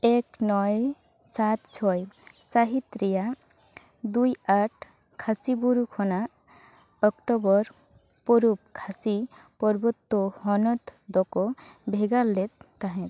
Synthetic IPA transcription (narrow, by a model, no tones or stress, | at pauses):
ɛknɔj | sat̪t͡ʃʰɔjsaɦit̪ɾija | d̪ujaʈʰ | kʰasibuɾukʰɔna | ɔkʈɔbɔɾ | pɔɾup̚kʰasipɔɾbɔt̪ːɔhɔnɔt̪d̪ɔkɔbʱeɡalːet̪ːaɦɛ̃t